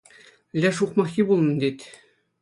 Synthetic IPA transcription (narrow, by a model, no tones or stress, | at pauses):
lʲæʂuqmɑxʲibulˠnɤ̆nd̪et̪ʲ